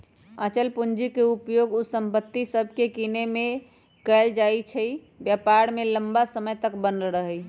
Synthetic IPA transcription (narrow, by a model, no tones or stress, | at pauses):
ət͡ʃəlpund͡ʒikeupjoɡusəmpət̪ːisəbʱkekineme | kəɪld͡ʒajt͡ʃʰəj | bjəpaɾmeləmbasəməjt̪əkbənəlɾəɦəj